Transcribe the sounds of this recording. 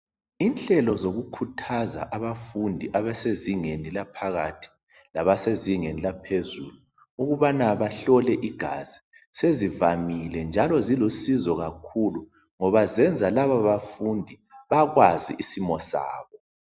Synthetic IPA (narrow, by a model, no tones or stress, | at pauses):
inɬɛlɔzoɣukʰutʰaza̰ʔaβafundʱiʔaβɛseziŋenilapʰaɣatʰi̥ | laβaseziŋenilapʰezulu | uɣuβanaβaɬɔlɛʔiɡ̥ʱaz̥i̥ | sezivamilɛnd͡ʒʱalɔzilosizɔɣakʰulu | ŋɔβazɛnd͡zʱalaβaβafundʱi | βaɣwazḭʔisimɔsa̰ːβɔ